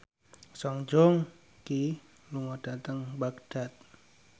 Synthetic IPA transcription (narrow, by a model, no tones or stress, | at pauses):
sɔŋd͡ʒɔŋ | ki | luŋɔd̥at̪əŋbaɡd̥at̪̚